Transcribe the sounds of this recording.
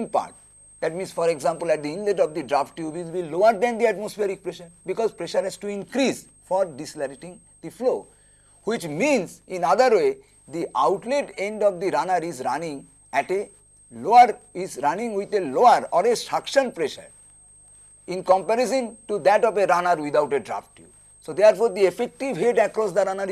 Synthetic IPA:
mpa̰ɾʈ̚ | d̪̥ɛʈmĩnsfɔɾeɡzãmpəlɛʈ̚d̪iĩnlẽʈɔfd̪iɖɾafʈːjubizbiloəɾd̪ɛ̃nd̪iæʈmosfeɾik̚pɾeʃəɾbikɔzpɾeʃəɾɦɛzʈuĩnkɾiz | fɔɾɖislaɾiʈĩŋ | d̪iflo | hwit͡ʃmĩnsĩnad̪əɾwe | d̪iʔa̰ʊʈleʈẽɳɖɔfd̪iɾanəɾizɾanĩŋ | ɛʈe | loəɾizɾanĩŋwid̪eloəɾɔɾeʃakʃə̃npɾeʃə̰ɾ | ĩnkɔ̃mpɛɾes̬ə̃nʈud̪ɛʈɔfeɾanəɾwid̪awʈeɖɾa̰fʈjṵ | sod̪eəɾfoɾd̪iefek̚ʈiʋɦeʈɛkɾɔs̬d̪ɐɾanəɾ

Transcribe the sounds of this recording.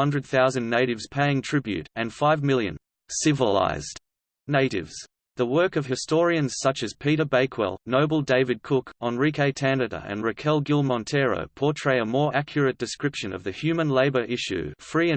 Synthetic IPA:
ʌ̃ndɹɨd̪̚θaʊzɨ̃nːeɪɾɨvz̥pʰeɪɪ̃ŋtʰɹ̥ɪbjʉ̰ɾɨ̃nfaɪvmɪlˠjɨ̰̃n | sɪvəla̰ɪzd̥ | neɪɾɪ̰vz̥ | ðəwɜ˞kʌv̥ɨstɔɹiɨ̃nz̥sʌt͡ʃɨz̥pʰiɾə˞beɪkʰwɛ̰lˠnoʊbl̩ˠdeɪvɨd̚kʰʊkʰə̃nɹikʰeɪtʰæ̃nɨɾə̰˞ʔɨ̰̃nɹɨkʰɛlˠɡɪlˠmɑ̃ntʰɛɹo̰ʊpʰɔɹtʰɹ̥eɪəmɔɹʔækʰjə˞ɨt̚d̥ɨskɹɪpʃɨ̃nʌ̰vðɨhjʉmə̃nleɪbə˞ʔɪʃʉ̰fɹiɨ̃

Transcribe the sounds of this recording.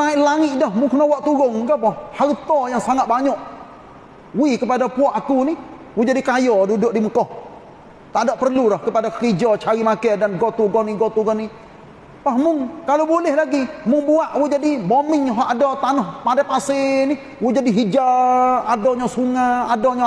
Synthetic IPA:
aiʔlaŋɪʔ̪dɔhmʊŋkənɔwaʔt̪uɾʊŋɡapɔhhaɾt̪ɔjaŋsaŋat̪̚baɲɔʔ | wikəpadapuɔʔakuni | wud͡ʒadikajɔdudʊʔdiməkɔh | t̪aʔdɔʔpərlulahkəpadakəɾid͡ʒɔt͡ʃaɾimakɛdanɡɔt̪uɡɔniɡɔt̪uɡɔnːi | pahmʊŋkalowbulɪhlaɡimʊŋbuaʔwud͡ʒadibomɪŋɦɔʔadɔt̪anʊhpadapasɪni | wud͡ʒadiɦid͡ʒaadɔɲasuŋaadɔɲa

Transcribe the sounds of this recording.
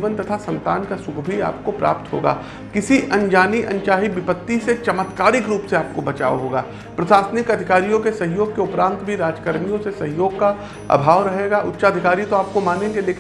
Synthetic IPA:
ʋənt̪ɐt̪ʰasɐ̃nt̪aːnkasʊkʰbʱia̰ːp̚kopɾa̰ːpt̪ɦo̰ːɡa̰ː | kɪsiʔɐ̃nd͡ʒaːniʔɐ̰̃nt͡ʃaːɦibɪpət̪ːiset͡ʃɐmət̪kaːɾɪkɾuːpseaːp̚kobɐt͡ʃa̰ːo̰ɦoːɡaː | pɾɐsaːsnɪkɐd̪ʱɪkaːɾijõkesɐɦjoːɡ̚keʊpɾãːnt̪bʱiɾaːd͡ʒkəɾmijõsesɐɦɪjoːɡ̚ka | ɐ̰bʱaːʋɾɐɦeːɡaːʔʊ̰tːʃaɐd̪ʱɪkaːɾit̪oaːp̚komaːnẽːɡeleːkʰ

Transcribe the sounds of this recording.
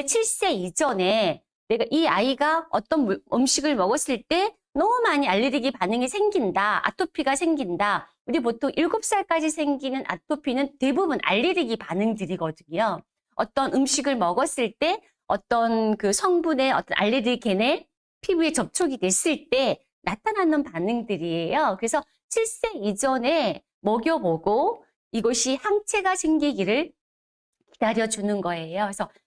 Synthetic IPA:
t͡ɕʰiɭs͈e̞id͡ʑʌne̞ | ne̞ɡaʔiaiɡaʌ̰t͈ʌnɯmɕʰiɡɯɭmʌɡʌs͈ɯɭt͈e̞ | nʌmumaɲiaʎːeɾiɡipanɯŋisʰe̞ŋɡindaa̰tʰopʰiɡasʰe̞ŋɡinda | uɾip̬otʰoŋʔiɭɡop̚s͈aɭk͈ad͡ʑisʰe̞ŋɡinɯnʔa̰tʰopʰinɯnte̞bubunʔa̰ʎːiɾiɡipanɯŋdɯɾiɡʌdɯɲo | ʌ̰t͈ʌnɯmɕʰiɡɯɭmʌɡʌs͈ɯɭt͈e̞ | ʌ̰t͈ʌnkɯsʰʌŋbune̞ʌt͈ʌnʔa̰ʎːedɯke̞ne | pʰibue̞t͡ɕʌp̚t͡ɕʰoɡidwe̞s͈ɯɭt͈e̞ | natʰananɯnpanɯŋdɯɾiejokɯɾe̞sʰʌ | ɕʰiɭs͈e̞id͡ʑʌne̞ | mʌɡjʌboɡo | iɡʌɕʰihaŋt͡ɕʰe̞ɡasʰe̞ŋɡiɡiɾɯɭ | ki̥daɾjʌd͡ʑunɯnɡʌe̞joesʰʌ

